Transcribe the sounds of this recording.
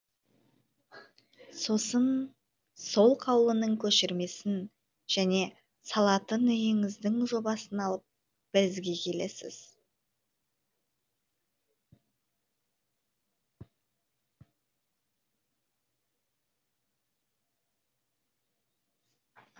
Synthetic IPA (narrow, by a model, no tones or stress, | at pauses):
so̞sən | so̞lˠqʰɑwlˠənəɴkʲʰɵʃɪɾme̞sɪn | ʒ̥æne̞ | sɑlˠɑt̪ənʏjɪŋɪzd̪ɪŋʒo̞bɑsənɑlˠəp̚ | b̥ɪɾɪzɡʲe̞kʲʰe̞le̞sɪ̰z̥